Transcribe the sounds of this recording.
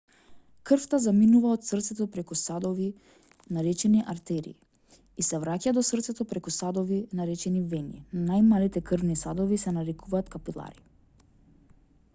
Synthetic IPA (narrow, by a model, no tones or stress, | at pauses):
kr̩ft̪azaminuvaɔt̪srt̪sɛt̪ɔpɾɛkusad̪ɔvi | naɾɛt͡ʃɛniʔaɾt̪ɛɾḭː | isɛvɾacad̪ɔsrt̪sɛt̪ɔpɾɛkusad̪ɔvinaɾɛt͡ʃɛnivɛninnajmalit̪ɛkr̩vnisad̪ɔvisɛnaɾɛkʰuvaːt̪kapilˠa̰ɾi